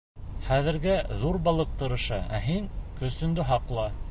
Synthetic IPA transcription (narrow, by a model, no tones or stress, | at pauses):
χæðɘ̆ɾɡæðuɾbɑlˠɤq̚t̪ɤ̆ɾɤ̆ʃɑʔæ̰ɦiŋkɵ̆sɵ̆nd̪ɵɦɑqlˠɑ